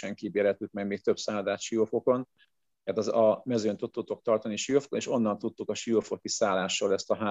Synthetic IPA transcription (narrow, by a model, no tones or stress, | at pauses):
ɛŋkiːbeːɾɛt̪ːykmɛɡmeːk̚t̪ø̞psaːd̪aːt̪ʃijofo̞ko̞n | ɛrt̪ɒɒmɛzønt̪ut̪ːut̪ːo̞k̚t̪ɒrt̪ɒniʃijofkoneːʃo̞nːɒnt̪ut̪ːukɒʃijofo̞kisaːlːaːʃːolɛst̪ɒɦaː